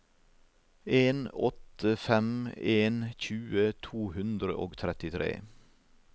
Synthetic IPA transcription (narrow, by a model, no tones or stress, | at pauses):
eːnɔt̪əfɛmeːnçʉːət̪ʰuːhʉnd̪ɾə̰ʔoːɡt̪ʰɾɛt̪ɪt̪ʰɾḛː